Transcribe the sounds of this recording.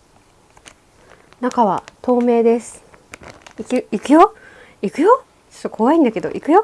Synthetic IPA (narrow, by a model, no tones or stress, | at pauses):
nakaβat̪o̞ːme̞ːd̪e̞sɨ̥ | ikiikɯ̟jo | ikɯ̟jo | t͡ɕo̥t̪ːokʰo̞βaĩnd̪ake̞d̪o̞̰ʔikɯ̟jo̞